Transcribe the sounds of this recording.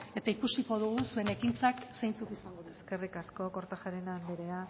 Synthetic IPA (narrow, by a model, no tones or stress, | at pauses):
e̞t̪aikusiko̞ð̞uɣ̞usue̞ne̞kint͡saksejnt͡sukisaŋɡoðueskerikasko̞ko̞ɾt̪axaɾenand̪eɾea